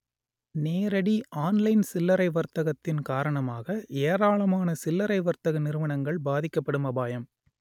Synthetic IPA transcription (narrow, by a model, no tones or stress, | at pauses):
neːɾɐɽiʔaːnlɐɪnsɪlːɐɾɐɪʋɐɾt̪ɐɣɐt̪ːɪnkaːɾɐɳɐmaːɣɐʔeːɾaːɭɐmaːnɐsɪlːɐɾɐɪʋɐɾt̪ɐɣɐnɪɾɯʋɐɳɐŋɡɐɭbaːðɪkːɐpːɐɽɯmɐbaːjɐm